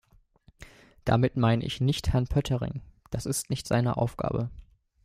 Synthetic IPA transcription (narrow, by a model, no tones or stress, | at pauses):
d̥a̰mɪtmaɪnə̰ʔɪçnɪçthɛɐnpʰœtʰəʁɪ̰ŋd̥asɪstnɪçtz̥a̰ɪnəʔa̰ʊfɡ̥a̰ːbə